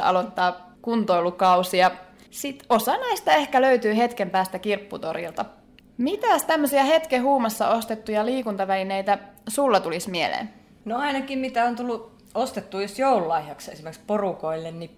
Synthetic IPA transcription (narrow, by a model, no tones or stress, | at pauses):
ɑ̰lot̪ːɑː | kunt̪oilukɑusiɑ | sit̪osɑnæist̪æe̞hkæløyt̪yːhe̞t̪kempæːst̪ækirpːut̪oɾḭlt̪ɑ | mit̪æst̪æmːøsiɑhe̞t̪keɦuːmɑsːɑ̰o̞st̪et̪ːujɑliːkunt̪ɑʋælinejt̪æsulːɑt̪ulismielḛːn | noɑinɑkimmit̪æont̪ulːu | ost̪et̪ːuːjosjoululɑihjɑksesimerksporukoilːenni